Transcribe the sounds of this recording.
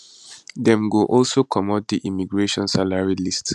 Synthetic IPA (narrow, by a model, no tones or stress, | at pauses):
dɛ̃mɡoʔɔlsokʰɔmɔd̚diʔimiɡɹeʃɔ̃nsalaɹilists